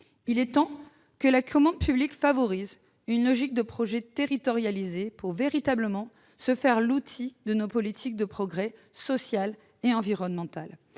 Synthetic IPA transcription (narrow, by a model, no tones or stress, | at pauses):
ilɛt̪ɑ̃ | kəlakʰɔmɑ̃d̪̚pyblikfavɔʁiz | ynlɔʒik̚d̪əpχɔʒɛt̪eʁit̪ɔʁjalizepuʁveʁit̪abləmɑ̃ | səfɛʁlut̪ʰid̪ənopɔlit̪ʰik̚d̪əpχɔɡʁɛ | sɔsjal | eɑ̃viʁɔnmɑ̃t̪al